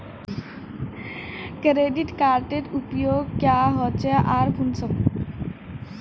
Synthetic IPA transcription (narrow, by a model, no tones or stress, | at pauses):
kɾeɖiʈkaɾʈeʈupjoɡkjaɦɔt͡ɕeʔaɾkʰunsək